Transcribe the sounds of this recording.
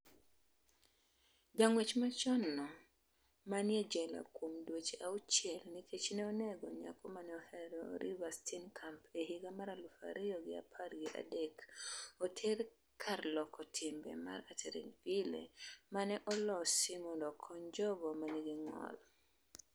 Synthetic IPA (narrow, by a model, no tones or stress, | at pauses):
ɡaŋwet͡ʃmat͡ʃɔnːɔ | manjed͡ʒɛla̰kwomdwot͡ʃeʔaut͡ʃɛlnikʰet͡ʃnɛoneɡɔɲa̰kɔmanɛɔhɛɾɔɾʔḭwastʰinkʰampeɦiɡamaɾalufa̰ɾɪjɔɡɪa̰pʰarɡɪʔa̰dekotʰɛɾ | kʰarlɔkʰɔtʰɪmbɛ̰ma̰ɾatʰeɾḛɲvilḛmanɛʔɔlɔsɪmɔndɔkʰɔɲd͡ʒɔbɔmaniɡiŋɔ̰l